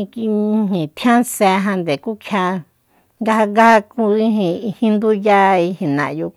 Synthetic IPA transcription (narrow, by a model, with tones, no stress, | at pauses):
i˧ki˧ɦĩ˨t̪ʰjã˦se˧ɦã˧nd̪e˨ku˦kʰja˧ | ŋɡa˦ha˧ŋɡa˦a˧ku˧i˦ɦĩ˧i˧hĩ˦nd̪u˦ja˦i˧hĩ˨nã̰˨˧ju˧